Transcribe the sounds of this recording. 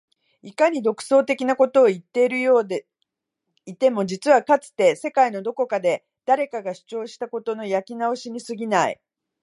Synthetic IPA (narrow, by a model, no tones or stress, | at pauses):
ikaɲ̟id̪o̞kɯ̟̥so̞ːt̪e̞kʲinako̞t̪o̞ːit̪ːe̞iɾɯ̟jo̞ːd̪ | it̪e̞mo̞d͡ʑit͡sɨβakat͡sɨ̥t̪e̞se̞kaino̞d̪o̞ko̞kad̪e̞ | d̪̥aɾe̞kaɡaɕɨ̥t͡ɕo̞ːɕi̥t̪ako̞t̪o̞no̞jakʲinao̞ɕiɲ̟isɨɡʲinaḭ